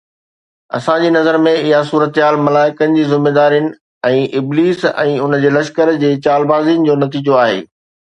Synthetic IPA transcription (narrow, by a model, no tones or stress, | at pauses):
ɐ̰sãd͡ʑiːnɐzəɾmẽɪɦasuːɾət̪ɦaːlmɐlaːɪkənɪ̆d͡ʑiːzɪmeːd̪aːɾijənɪ̆ | ɛ̃ːʔɪbliːsɛ̰̃ːʊnd͡ʑeːlɐʃkəɾd͡ʑeːt͡ɕaːlbaːziːənɪ̆d͡ʑoːnɐt̪iːd͡ʑoaːɦḛː